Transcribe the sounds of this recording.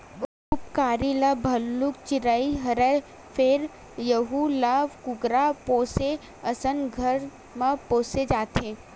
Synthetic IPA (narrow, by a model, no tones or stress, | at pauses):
ʋɐkʊpkaːɾilabʱɐlːʊkt͡ʃɪɾaːiɦɐɾɛ | pʰeɾ | jɐɦulaːʋkʊɡɾapoːse | ɐsənɡʱəɾ | mãpoːsed͡ʒaːt̪ẽː